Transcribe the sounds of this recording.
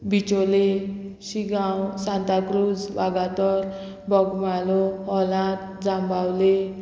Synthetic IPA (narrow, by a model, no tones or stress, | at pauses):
bit͡ɕole | ɕiɡawsãnt̪akɾud͡zʋaɡat̪ɔɾ | bɔɡmaloɦɔlãt̪ | d͡zãmbawle